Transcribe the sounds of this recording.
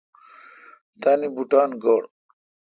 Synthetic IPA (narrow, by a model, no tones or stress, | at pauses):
t̪anibuʈaːnɡoɽ